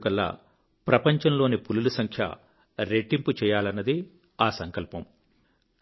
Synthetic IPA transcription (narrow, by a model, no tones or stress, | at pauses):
kɐlːa̰ː | pɾɐpɐɲt͡ʃɐmlo̞ːnipululusɐŋkʰjɐ̰ | ɾeʈːimput͡ʃɛːjaːlɐnːɐd̪i | aːsɐŋkɐlpɐm